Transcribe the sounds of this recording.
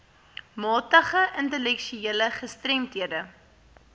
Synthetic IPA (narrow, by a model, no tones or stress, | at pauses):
mɑːtəχəʔəntəlɛkʃyiələχəstrɛmtɦiədə